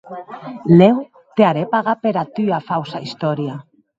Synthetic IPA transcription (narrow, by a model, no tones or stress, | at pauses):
lew | t̪eaɾepaɣ̞apeɾat̪yafawsaist̪oɾja